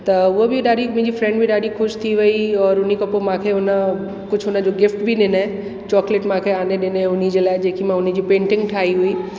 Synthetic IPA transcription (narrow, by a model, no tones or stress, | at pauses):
t̪ɐʊɦobɪɗaːɗimʊ̃ɦɪ̃ɲd͡ʑifɾɛ̃ɳɖbɪɗaːɗixʊʃt̪ʰiʋɐiɔːɾʊnikɐpomãːkʰeɦʊnə | kʊd͡ʑʱɦʊnəd͡ʑoɡɪfʈbɪɗɪnə | t͡ɕɔːkleʈmãːkʰeaːneɗɪnʊnid͡ʑelaːɪd͡ʑeːkimãɦʊnə̆d͡ʑiːpẽːɳʈɪ̃ŋɡʈʰaːɦiɦui